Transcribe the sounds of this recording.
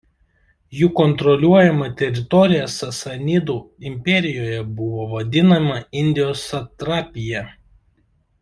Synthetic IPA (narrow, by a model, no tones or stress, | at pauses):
juːkɔnt̪ɾɔlʲuɔjɛmɐt̪ʲɛɾʲɪt̪ɔɾʲɪjɛsɐsɐnʲɪd̪uːɪmʲpʲɛɾʲɪjoːjɛbʊʋoːʋɐd̪ʲɪnɐmɐɪnʲd̪ʲɪjoːsɐt̪ɾɑːpʲɪjɛ